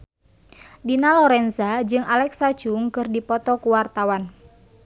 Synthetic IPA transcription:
dinalɔɾɛnsad͡ʒɨŋalɛksat͡ʃuŋkɨrdipɔt̪ɔkuwart̪awan

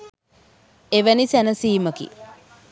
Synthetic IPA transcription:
eʋænisænəsiːməkḭ

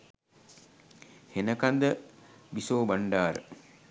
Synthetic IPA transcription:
henəkand̪əbisoːbaɳɖaːɾə̰

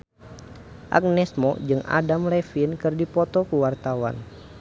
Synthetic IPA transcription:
ʔa̰k̚nɛsmɔ̰d͡ʒɨŋa̰damlɛfinkɨrdipɔt̪ɔkuwart̪awa̰n

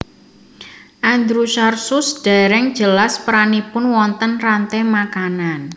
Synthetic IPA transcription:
ʔand̪ɾuʃarsʊsd̥aɾɛŋ̥d͡ʒəlaspəɾanipʊnwɔnt̪ənrant̪emakanan

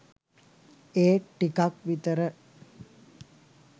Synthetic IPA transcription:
eːʈːikak̚ʋit̪əɾə

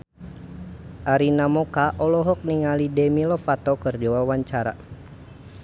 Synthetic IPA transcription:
ʔaɾinamɔkaʔɔlɔɦɔk̚niŋalidɛmilɔfat̪ɔkɨrd͡ʒɔwawaɲt͡ʃaɾa̰

